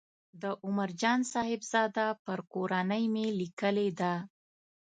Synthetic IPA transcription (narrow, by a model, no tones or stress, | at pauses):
d̪əʔʊmaɾd͡ʒɑnsɑhɪbz̥ɑd̪apəɾkoɾanəjmelikəled̪a